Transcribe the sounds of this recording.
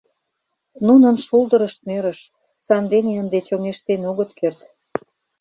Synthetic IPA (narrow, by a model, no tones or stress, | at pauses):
nunənʃuld̪əɾəʃt̪̚møɾə̆ʃ | sɑnd̪eneənd̪et͡ɕomneʃt̪enoɣət̪kert̪